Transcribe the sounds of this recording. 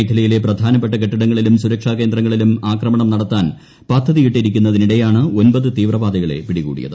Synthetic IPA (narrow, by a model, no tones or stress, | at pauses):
kʰːɐlɐjile̞prɐd̪ʱaːnɐp̬ːe̞ʈːɐkeʈːɐɽɐŋːɐɭilumsuɾɐkʂaːke̞ːnd̪ɾɐŋːɐɭilumaːkrɐmɐɳɐmnɐɽɐt̪ːaːn | pɐd̪ʱːɐðijiʈːiɾikʲːunːɐðiniɽe̞jaːɳɨo̞nbɐðɨt̪iːʋrɐʋaːd̪ɐɣɐɭe̞̰piɽikṵːɽḭjɐ̰ðɨ